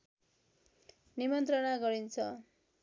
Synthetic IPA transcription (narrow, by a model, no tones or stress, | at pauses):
nimʌnt̪rʌnaɡʌɾint͡sʰʌ